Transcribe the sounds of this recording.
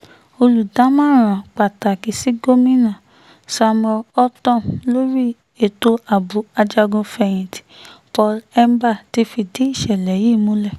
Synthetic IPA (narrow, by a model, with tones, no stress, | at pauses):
o˧lu˨dã˨˦mãː˦˨ɾ̃ã˨k͡pa˨ta˨ki˨˦si˦ɡo˦mĩ˦nã˨ | sa˧mɔ˧ɔ˦tɔ̃˦˨lo˦ɾi˦ | e˨to˧a˨bu˨˦a˧d͡ʒa˧ɡũ˧fɛ˧˨j̃ĩ˨ti̥˨˦pɔ˧˦lɛ˦m˦ba˦˨ti˦fi˧de˨˦i˦˨ʃɛ˨lɛ˨ji˦˨mũ˨˦lɛ˦˨